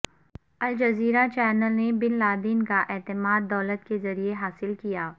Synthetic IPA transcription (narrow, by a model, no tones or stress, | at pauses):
ɐld͡ʒɐziːɾat͡ʃɛːnəlnebɪnlaːd̪iːnkaʔɛːt̪ɪmaːd̪ːɔːlət̪kezɐɾieɦaːsɪlkijaː